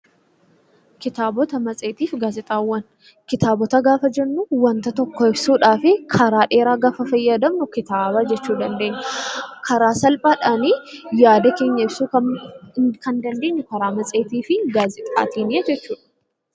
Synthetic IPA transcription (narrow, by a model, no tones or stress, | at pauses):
kɪt̪aːbɔt̪ɐmɐt͡sʼeːt̪iːfɡaːzɪt̪ʼaːwːɐn | kɪt̪aːbɔt̪ɐɡaːfɐd͡ʒɛnːʊwɐnt̪ɐt̪ɔkːɔɪbsuːᶑaːfɪkʰɐɾaːᶑe̞ːɾaːɡaːfɐfɐjːad̪ɐmnʊkɪt̪aːbad͡ʒɛt͡ʃːuːd̪ɐnd̪e̞ːɲːɛkʰɐɾaːsɐlpʼaːᶑaːniːjaːd̪ɐke̞ːɲːɐɪbsuːkɐ | kɐnd̪ɐnd̪e̞ːɲːʊkɐɾaːmɐt͡sʼe̞ːt̪iːfɪɡaːzɪt̪ʼa̰ːt̪iːnɪɐd͡ʒɛt͡ʃːuːᶑɐ̥